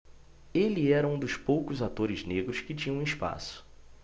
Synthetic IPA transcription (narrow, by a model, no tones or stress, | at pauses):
elɪɛɾɐũd̪ʊspowkʊzat̪oɾɪzneɡɾʊskɪt͡ʃĩɲɐ̃ispa̰sʊ̥